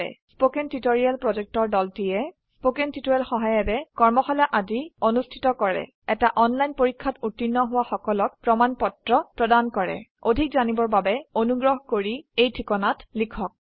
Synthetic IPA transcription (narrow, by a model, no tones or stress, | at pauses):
ɛ̰spokɛntitoɹialpɹɔzɛk̚tɔɹdɔltijɛ | spokentitoɹalxɔɦajɔtɛkɔɹmɔxɔlaʔazionustʰi̥tɔkɔɹɛ̰ | ɛtaʔɔnlajnpoɹikʰːatutːinːɔɦʊwaxɔkɔlɔk̚pɹɔmanpɔtɹɔpɹɔdankɔɹɛ̰odʱikzanibɔɹbabɛonuɡɹɔɦkoɹiejtʰikɔnatlikʰɔk̚